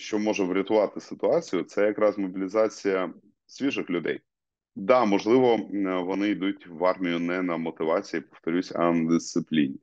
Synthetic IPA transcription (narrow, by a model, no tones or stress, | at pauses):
ʃt͡ʃɔmɔʒɛʋɾʲɐt̪ʊʋɑt̪ɪsɪt̪ʊɑt͡sʲijʊt̪sɛjɐkɾɑzmɔbʲilʲɪzɑt͡sʲijɐ | sʲʋʲiʒɪxlʲʊd̪ɛ̰j | d̪ɑmɔʒlˠɪʋɔʋɔnɪjd̪utʲʋɑrmʲijʊnɛnɐmɔt̪ɪʋɑt͡sʲijipɔft̪ɔɾʲusʲɐ̰nɐd̪ɪst̪sɪplʲḭnʲi